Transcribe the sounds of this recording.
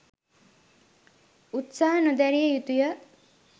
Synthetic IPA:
ut̪saɦənod̪æɾijəjut̪ujə

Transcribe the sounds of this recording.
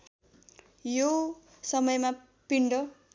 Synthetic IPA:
jo | sʌmʌjma | piɳɖʌ

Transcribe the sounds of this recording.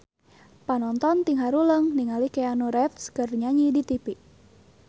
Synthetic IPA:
panɔnt̪ɔnt̪iŋɦaɾuləŋniŋalikeanuɾɛfskərɲaɲidit̪ipiʔ

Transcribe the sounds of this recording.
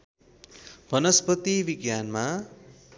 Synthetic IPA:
bʱʌnʌspʌt̪ibiɡjanma

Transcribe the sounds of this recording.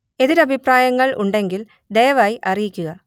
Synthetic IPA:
e̞ðiɾɐbʱipraːjɐŋːɐɭʔṵɳɖe̞ŋɡil | d̪ejɐʋaːjiʔɐrijikʲːuɣɐ

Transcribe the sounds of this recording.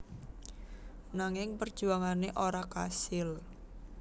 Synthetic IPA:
naŋɪŋpərd̥ʒ̥ṳaŋaneʔoɾaka̰sɪl

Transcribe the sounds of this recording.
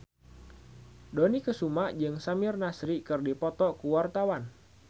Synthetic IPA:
donikəsumad͡ʒɨŋsamɪrnasɾikɨrdipɔt̪ɔkuwart̪awan

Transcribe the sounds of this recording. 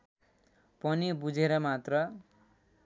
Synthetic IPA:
pʌnibud͡zʱeɾʌmat̪rʌ

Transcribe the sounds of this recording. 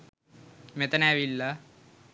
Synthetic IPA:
met̪ɐnːʋilːa

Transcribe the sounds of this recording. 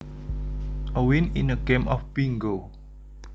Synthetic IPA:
ʔəwininəɡẽmʔɔfb̥iŋɡo

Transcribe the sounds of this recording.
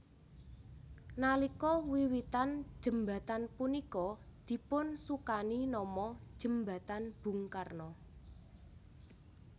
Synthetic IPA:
nalikɔwiwit̪and̥ʒ̥ə̤mba̤t̪anpunikɔd̪̥i̤pʊnsukaninɔmɔd̥ʒ̥ə̤mba̤t̪anb̥ṳŋkarnɔ

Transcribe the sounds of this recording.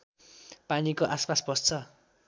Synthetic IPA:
panikoʔaspasbʱʌst͡sʰʌ

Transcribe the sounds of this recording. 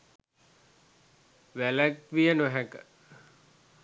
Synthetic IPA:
ʋælækʋijənoɦɛkə̥

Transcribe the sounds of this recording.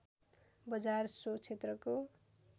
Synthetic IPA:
bʌd͡zarsot͡sʰet̪rʌko

